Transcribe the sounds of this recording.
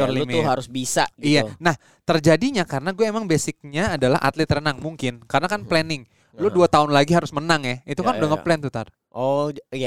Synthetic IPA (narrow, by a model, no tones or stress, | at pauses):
ɔrlimuɦaɾʊsbisaɡijanah | t̪ərd͡ʒadiɲakaɾənaɡuaemaŋbesɪk̚ɲaːdala̰ɦʔa̰t̪lɛt̪rənaŋmuŋkɪnkaɾənakanplɛnɪŋ | lʊduat̪aʊnlaɡiɦaɾʊsmənaŋjahit̪ukanudaŋəplɛnt̪ut̪a̰r | ɔja